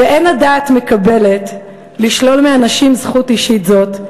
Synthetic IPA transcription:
veʔe̞nadaːtme̞kabe̞le̞t | liʃlo̞lmeanaʃimzχutiʃitzo̞t

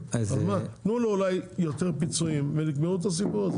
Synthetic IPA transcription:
azmanuloulajjo̞t̪eʁpit͡suimvelikmeut̪̬as̬ipuʁaze

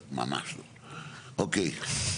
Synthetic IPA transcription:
ma̰ma̰so | okej

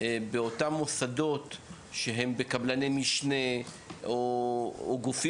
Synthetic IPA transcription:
beotamːosado̞t | ʃeɦe̞mbekablanemiʃne | oː | ɡufi

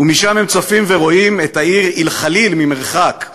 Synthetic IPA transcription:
umiʃamhe̞mt͡sofimve̞ʁo̞imetaiʁilχalilmime̞ʁχak

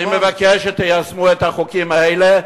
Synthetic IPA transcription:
imevakeʃet̪ejasmuet̪aχokimaele

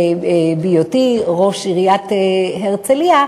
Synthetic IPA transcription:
bijot̪iʁo̞ʃiʁijat̪heʁt͡selia

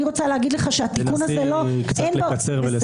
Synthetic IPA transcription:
iʁot͡saleɦaɡid̪leχaʃeat̪ikunazelokt͡senloat͡seʁel

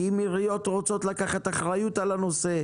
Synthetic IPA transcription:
imiʁijo̞t̪ʁo̞t͡so̞t̪lakaχat̪aχʁajut̪alano̞se̞

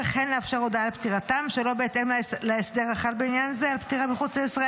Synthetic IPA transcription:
eχenleafʃaʁodaːlpt̪iʁat̪amʃelo̞beet̪emleesd̪e̞ʁaχatbeinjanzealpt̪iʁabeχut͡sajisʁa

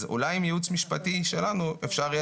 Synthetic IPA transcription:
zṵlajimjeut͡smiʃpatiʃe̞lanuefʃaʁ

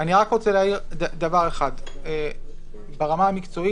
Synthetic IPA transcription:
aniʁakʁo̞t͡seleaiʁdad̪avaʁe̞χade | beʁamaamikt͡so̞i

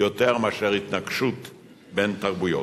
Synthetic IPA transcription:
jot̪e̞ʁmeaʃeʁit̪naɡʃut̪ | be̞nt̪aʁbujo̰

